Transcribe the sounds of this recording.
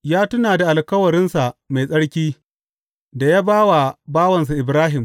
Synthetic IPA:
jaː˦tʊ˦naː˨da˨ʔa˨lkɐ˦wɐ˨ɾɪ˦nsa˨ʔma˨jsʼɐ˦ɽkʲiː˦ | da˨jaː˦baː˦wa˨baː˦wɐ˨ns̬a˨ʔɪ˨bɾaː˦ɦɪ˨m

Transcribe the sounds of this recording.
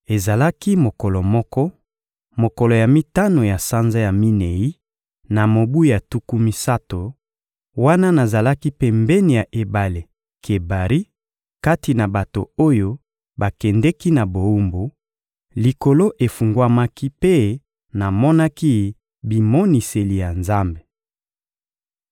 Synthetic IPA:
e˨za˨la˦ki˦mo˨kɔ˨lɔ˨mɔ˦kɔ˦ | mo˨kɔ˨lɔ˨ja˨mi˦ta˦no˨ja˨sa˦nza˦ja˨mi˦ne˨i˦ | na˨mo˨bu˦ja˨tu˦ku˦mi˦sa˦to˨ | wa˦na˦na˨za˨la˦ki˦pe˦mbɛ˦ni˨ja˨ʔe˨ba˨le˨ | kʰe˨ba˨ʁi˦ | ka˦ti˨na˨ba˨to̰˨o˦jo˦ | ba˨kɛ˨ndɛ˦ki˦na˨bo˨u˦mbo˨ | li˨ko˨lo˦ʔe˨fu˨ŋɡwa˦ma˦ki˦pe˦ | na˨mɔ˦na˦ki˦ | bi˨mɔ˦ni˨se˨li˨ja˨nza˦mbe˨

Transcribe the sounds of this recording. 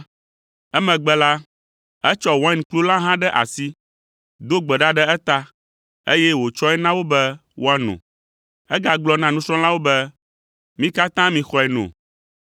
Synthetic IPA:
ɛ˦mɛ̃˨ɡ͡bɛ˦la˦ | ɛ˦t͡ʃɔ˦wɔ̃˦ɛ̃˦n˨klu˦la˦ɦã˦ɖɛ˦ʔa̰˨si˦ | d̪o˦ɡ͡bɛ˨ɖa˦ɖɛ˦ɛ˦t̪a˦ | ḛ˦jɛ˦wo˨t͡ʃɔ˦ɛ˦nã˦wo˦bɛ˦wʔo˦a˦nṵ̃˨ | ɛ˦ɡa˨ɡ͡blɔ˦nã˨nũ˦sɾɔ̃˦la˦wo˦bɛ˦ | mĩ˦ka˦t̪ã˦mĩ˨xɔ˦ɛ˨nõ̰˨

